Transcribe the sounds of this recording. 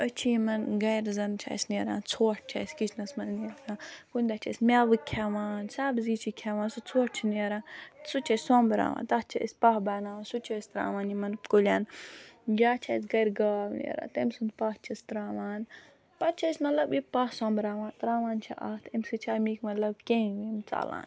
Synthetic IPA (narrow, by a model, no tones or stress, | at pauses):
ət͡ʃʰiimɐnɡɐjɾzɐnt͡ʃʰa̰sneɾa̰ːnt͡sʰoːʈ̚ʰt͡ʃʰa̰sʲkit͡ʃʰnɐsmɐnniɾkãːkunʲd̪ɐt͡ʃʰɐ̰sʲmʲaːʋɨkʰaʋaːnsaːbziːt͡ʃʰikʲʰaːʋaːnsut͡sʰoːʈt͡ʃʰineːɾãːsut͡ʃʰɐsʲsõːmbɾa̰ːʋa̰ːnt̪ɐht͡ʃʰiʔəsʲpɐhbaːnaːsut͡ʃʰɐsʲt̪ɾa̰ːʋaːnjimɐnkolʲaːnɡʲaːt͡ʃʰaːsɡɐɾʲɡaːʋnḛɾa̰ːt̪emsund̪paht͡ʃʰɐst̪ɾaːʋaːn | pɐt̪̚t͡ʃʰɐsʲmɐt̪lɐbipɐhsɔ̃ːmbɾaːʋãːnt̪ɾaːʋaːnt͡ʃʰɐʔɐt̪ʰɐmsɨt͡ʃʰamiːkmɐt̪lɐb̚kʲẽʋimt͡sa̰ːlã̰ːn